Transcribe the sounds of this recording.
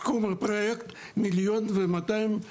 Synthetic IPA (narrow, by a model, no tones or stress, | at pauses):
kumapɾojekt̪ | miljonvemat̪aim